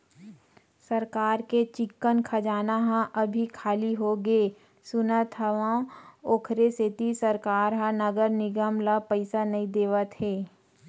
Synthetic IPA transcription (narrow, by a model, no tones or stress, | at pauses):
sɐɾkaːɾket͡ʃɪkːənkʰɐd͡ʒaːnaɦãʔɐbʱikʰaːliɦoɡeː | sʊnət̪ɦɐʋãoːkʰɾeset̪isɐɾkaːɾɦãnɐɡəɾnɪɡəmlapəɪsanɐɦĩd̪eːʋət̪ɦeː